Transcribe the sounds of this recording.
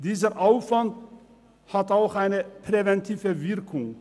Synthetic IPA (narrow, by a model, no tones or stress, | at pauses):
d̥iːzəʔaʊfv̥ant | hataʊxaɪnəpʁ̥evɛntʰiːvəvɪʁkʰʊŋ